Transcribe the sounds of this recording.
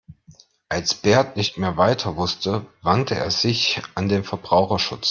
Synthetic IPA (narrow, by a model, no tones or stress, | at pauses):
ʔalsb̥eːɐtnɪçtmeːɐvaɪtʰɐvʊstʰəvantʰəʔḛːɐzɪçʔandeːnfɛɐbʁaʊxɐʃʊt͡s